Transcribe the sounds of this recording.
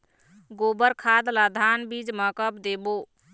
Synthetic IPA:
ɡobəɾkʰad̪lad̪ʱanbid͡ʒməkəpd̪ebo

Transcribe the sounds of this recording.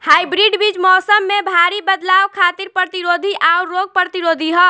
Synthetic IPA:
haːibɾiɖbit͡ʃmɔːsəmːẽbʱaːɾibəd̪laːwkʰaːt̪iɾpɾət̪iɾoːd̪ʱiʔaɾːoːɡ̚pɾət̪iɾoːd̪ʱiɦɔ

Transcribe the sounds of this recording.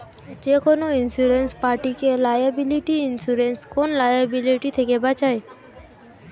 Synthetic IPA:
d͡ʒekonoinsuɾenspaɾʈikelajabiliʈiinsuɾenskonlajabiliʈit̪ʰekebat͡ʃae

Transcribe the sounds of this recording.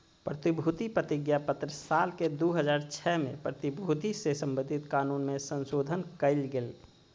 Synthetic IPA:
pɾət̪ibʱut̪ipɾət̪ɪɡjapət̪ɾəsaːlked̪uɦəd͡ʒaːɾt͡ʃʰɛmḛ̃pɾət̪ibʱut̪isesə̃mbənd̪ʱɪt̪kaːnunmẽsə̃nsoːd̪ʱənkəɪlɡel

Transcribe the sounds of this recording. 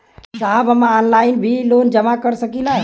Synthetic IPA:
saɦəbəmaɔnlaɪnbʱilond͡ʒəmakəɾsəkilaɦ

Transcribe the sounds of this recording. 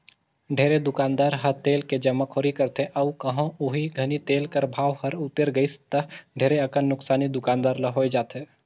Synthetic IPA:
ɖʱeːɾed̪ʊkaːnd̪aːɾɦɐɾt̪eːlked͡ʒɐmːakʰoːɾikɐɾt̪ẽʔɐʋkɐɦãʊɦiɡʱɐnit̪eːlkəɾbʱaːʋhɐɾʊt̪ːeɾɡəist̪əɖʱeːɾeɐkənːʊksaːnid̪ʊkaːnd̪aːɾlɐɦoːed͡ʒaːt̪eː

